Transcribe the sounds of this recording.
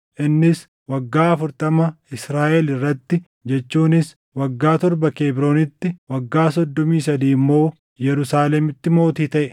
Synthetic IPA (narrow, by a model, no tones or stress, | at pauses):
ʔɪnːɪs | wɐɡːaːɐfʊɾt̪ɐmɐɪsɾaːʔɛlɪrːɐt̪ːɪ | d͡ʒɛt͡ʃːuːnɪs | wɐɡːaːt̪ɔɾbɐkeːbɾo̞ːnɪt̪ːɪwɐɡːaːsɔd̪ːɔmiːsɐd̪iːmːo̞ː | jɛɾʊsaːlɛmɪt̪ːɪmo̞ːt̪iːt̪ɐʔɛ